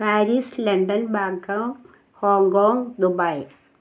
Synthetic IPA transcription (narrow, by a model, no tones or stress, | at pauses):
paːɾiːslɐɳɖɐnbaːkːɐŋ | hoːŋkoːŋɡd̪ubɐj